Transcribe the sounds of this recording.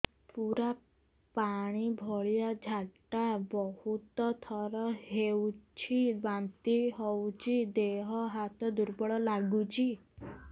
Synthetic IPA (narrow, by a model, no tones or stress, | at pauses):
puɾa | paɽ̃ibʱɔɭijad͡ʒʱaʈabɔhut̪ɔt̪ʰɔɾɔɦewt͡ʃʰibant̪iɦɔwt͡ʃʰid̪eɦɔɦat̪ɔd̪uɾbɔɭɔlaɡut͡ʃʰi